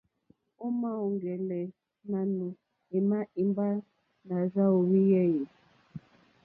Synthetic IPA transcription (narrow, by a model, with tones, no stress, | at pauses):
o˦ma˦o˨ŋɡɛ˨lɛ˨ | na˨nu˨ | e˨ma˦ʔi˨mba˦ | na˨za˦o˨wi˦jɛ˦ji˨